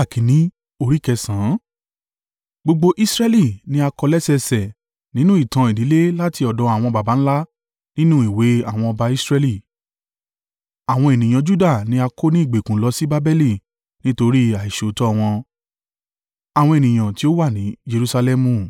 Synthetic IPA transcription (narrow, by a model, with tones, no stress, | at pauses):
a˦˨kĩ˨˦nĩ˦ | o˧ɾi˦kɛ˧sã˨˦ | ɡ͡bo˧ɡ͡bo˧ʔi˦sɾɛ˦li˦˨nĩ˨˦a˧kɔ˧lɛ˦sɛ˧sɛ˨ | nĩ˦nũ˦i˦˨tã˧i˨di˨˦le˦la˦ti˧ɔ˨dɔ̃˨˦a˨w̃ɔ̃˧ba˨ba˨˦ñ̩˦la˦ | nĩ˦nũ˦i˦˨we˨˦a˦˨w̃ɔ̃˧ɔ˧ba˧i˦sɾɛ˦li˦˨ | a˨w̃ɔ̃˧e˨nĩ˨j̃ã˨˧d͡ʒu˦da˦˨nĩ˨˦a˧ko˦nĩ˦i˦˨ɡ͡be˨kũ˨˦lɔ˧si˦ba˦bɛ˦li˦˨ | nĩ˦to˧ɾi˦a˨i˨ʃe˨tɔ˦˧w̃ɔ̃˧ | a˨w̃ɔ̃˧e˨nĩ˨j̃ã˨ti˨˦o˦wa˦˨nĩ˨˦d͡ʒe˧ɾu˧sa˧lɛ˦mũ˦˨